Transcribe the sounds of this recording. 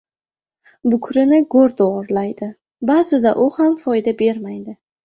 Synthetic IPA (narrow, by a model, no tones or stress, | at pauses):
bʊkʰɾɪnɪɡoɾd̪oɒɾlajd̪ɪ | bazɪd̪aʔʊhamfɒjd̪abe̞ɾmajd̪ɪ